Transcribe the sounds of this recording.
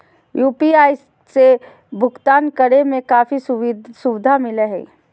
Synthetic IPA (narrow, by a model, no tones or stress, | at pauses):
juːpiaːi | se | bʱʊɡt̪aːnkəɾemẽkaːfissʊʋɪd̪ʱamɪleɦɛ̰